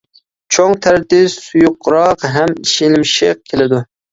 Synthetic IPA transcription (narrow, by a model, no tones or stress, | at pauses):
t͡ʃʰoŋt̪ʰæɾd̪ɪsujʊqːɾɑqɦæmiʃɪlmʃɪq̚kʲʰelɪd̪ʊ